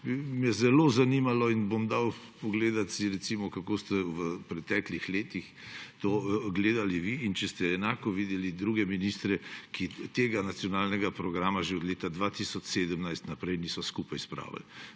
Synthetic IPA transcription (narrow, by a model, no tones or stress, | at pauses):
imjɛzɛlozanimalɔinbomd̪aw | pɔɡleːd̪at̪siɾɛt̪simɔkakoːst̪ɛʋəpɾɛt̪ɛklixleːt̪ix | t̪oːɡleːd̪aliʋiːnt͡ʃɛst̪ɛːnaːkɔʋid̪ɛlid̪ɾuːɡɛminist̪ɾɛkit̪eːɡanat̪sjɔnaːlnɛɡapɾɔɡɾaːmaʒeɔd̪leːt̪ad̪ʋat̪isɔt͡ʃseːd̪əmnajst̪napɾɛjnisɔskupajspɾa̰ːʋa̰l